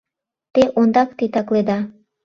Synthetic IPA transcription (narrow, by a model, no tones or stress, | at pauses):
t̪eʔond̪ɑkt̪et̪ɑkled̪ɑ